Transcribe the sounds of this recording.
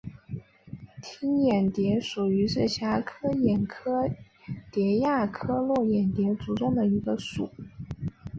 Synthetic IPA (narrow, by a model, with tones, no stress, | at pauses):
t̪ʰi˥njɛ˨˩nt̪jɛ˧˥ʂu˨˩y˧˥ʂɻ̩˥˩ɕja˧˥kʰɤ˥jɛ˨˩nkʰɤ˥ | t̪jɛ˧˥ja˥˩kʰɤ˥lwɔ˥˩jɛ˨˩nt̪jɛ˧˥t͡su˧˥ʈ͡ʂʊ˥˩ŋd̪ə˨i˧˥ɡə˧ʂṵ˨˩˦